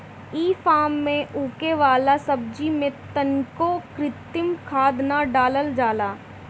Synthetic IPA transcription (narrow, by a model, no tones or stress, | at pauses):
iːfʰaːmːẽʔuːkeʋaːlasɐb̚d͡ʒimẽt̪ənkokɾɪt̪ɪmkʰaːd̪naɖaːləld͡ʒaːlaː